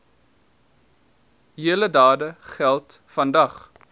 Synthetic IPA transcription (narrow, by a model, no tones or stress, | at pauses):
ɦiələdɑːdəχælˠtfɐndɐχ